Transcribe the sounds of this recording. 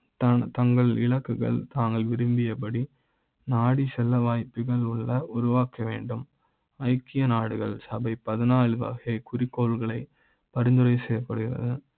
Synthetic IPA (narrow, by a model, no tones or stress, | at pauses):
t̪ɐt̪ɐŋɡɐɭɪ̰ɭɐkːɯɣɐ̰ɭt̪aːŋɡɐɭʋɪɾɯmbɪjɐpɐɽi | naːɽisɛlːɐʋaːjpːɯɣɐɭʊɭːɐʊɾʊʋaːkɐʋeːɳɖɯm | ɐɪkːɪjɐnaːɽɯɣɐɭsɐbɐɪpːɐðɐnaːɭɯʋɐ̰ːɣekʊɾɪkːoːɭɣɐɭɐɪ | pɐɾɪnd̪ɯrɐɪsɛjːɐpːɐɽɯɣɪrɐ̰ðɯ